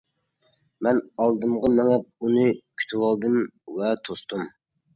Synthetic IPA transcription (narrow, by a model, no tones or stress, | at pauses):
mɛnɑlˠd̪ɨmʁɑmɛŋɛp̚unɨkʲʰy̥t̪ʰɪwɑlˠd̪ɨmvɛt̪ʰost̪um